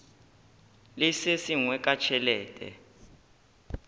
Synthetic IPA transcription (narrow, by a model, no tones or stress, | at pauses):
lisesiŋwɛk̬ʼat͡ʃʰɛlɛːtʼɛ̰